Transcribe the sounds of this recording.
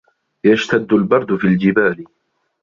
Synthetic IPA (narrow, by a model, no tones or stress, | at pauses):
jaʃt̪ad̪ːʊlbɑɾˤd̪ʊfiːld͡ʒɪbaːl